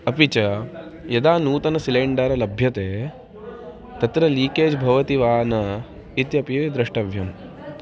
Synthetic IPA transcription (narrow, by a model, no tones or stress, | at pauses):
ɐpit͡ʃɐjɐd̪aːnuːt̪ɐnɐsileːɳɖɐɾɐlɐbʱjɐt̪eː | t̪ɐt̪ɾɐliːkeːd͡ʒbʱɐʋɐt̪iʋaːnɐ | it̪jɐpid̪ɾɐʂʈɐʋjɐm